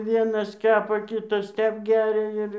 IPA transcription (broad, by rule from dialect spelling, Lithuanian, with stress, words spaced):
ˈʋʲiɛnɐs ˈkʲæːpɐ ˈkʲɪtɐs ˈtʲɛp ˈɡʲærʲɛ ɪr